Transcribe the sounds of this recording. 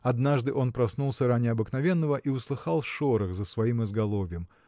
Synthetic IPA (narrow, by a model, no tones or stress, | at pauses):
ɐd̪naʐd̪ɨʔo̞npɾɐsnulˠsʲəɾanʲɪɐbɨknɐvʲenːəvəʔiʊslˠɨxɑlˠfʂoɾɨxzəsvɐimɨzɡɐlˠovʲɪjəm